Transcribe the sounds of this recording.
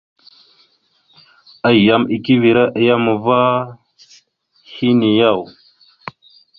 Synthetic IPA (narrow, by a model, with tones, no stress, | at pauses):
a˨ja˨mi˨ki˦vi˨ɾa˦ʔa˨ja˦mə˨va˦ | hi˦ni˨ja˦˨w